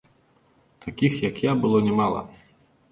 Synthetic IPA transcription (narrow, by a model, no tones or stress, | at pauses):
t̪ʰakʲixjakjabɨlˠɔnʲɛmalˠɐ̰